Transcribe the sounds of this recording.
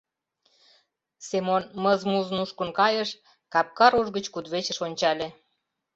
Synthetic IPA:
semonməzmuznuʃkənkɑjəʃ | kɑp̚kɑɾuʒɣət͡ɕkud̪βet͡ɕə̆ʃonʲt͡ɕɑlʲĕ

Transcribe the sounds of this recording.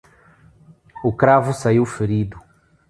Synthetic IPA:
ukɾavusaiwfeɾid̪u

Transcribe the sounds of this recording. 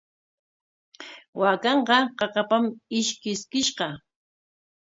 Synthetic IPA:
wakɑɴqɑqɑqɑpamɪʃkɪskɪʃqɑ

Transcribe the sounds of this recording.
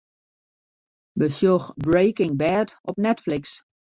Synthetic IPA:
bəsjoxbɹeːkɪŋbɛːtʔɔpnɛtflɪks

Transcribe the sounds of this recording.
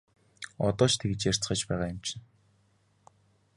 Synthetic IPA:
ɔt̪ɔːt͡ɕt̪ʰeɡɘ̆t͡ɕjær̥ʲt͡sχə̆t͡ɕpæːʁaːjʊmt͡ɕʰɪ̆n

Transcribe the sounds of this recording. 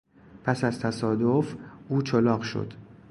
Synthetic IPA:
pʰæsæzt̪ʰæsɒːd̪ofʔuːt͡ʃʰolɒːɢʃo̰d̪̥

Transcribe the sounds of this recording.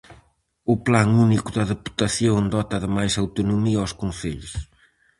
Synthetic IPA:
uplaŋunikuðɐðepu̥t̪ɐsjõw̪̃d̪ɔt̪ɐðɨmajzawt̪unumiɐawskõseʎʊ̰ʃ

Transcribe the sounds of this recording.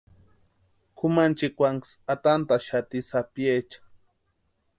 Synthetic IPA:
kʰumant͡ʃikʷaŋksat̪ant̪aʃat̪isapjet͡ʃḁ

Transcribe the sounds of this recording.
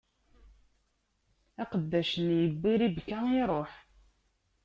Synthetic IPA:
æqəd̪ːæʃənjəbːiɾibkːæiɾˤoħ

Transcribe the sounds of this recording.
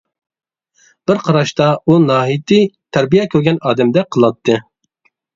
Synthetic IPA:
b̥ɪɾqʰɑɾɑʃt̪ɑunɑːɦijt̪ɨt̪ʰæɾbijɛkʲʰøɾɡʲɛnɑːd̪ɛmd̪ɛqʰəlˠɑt̪ʰːɨ

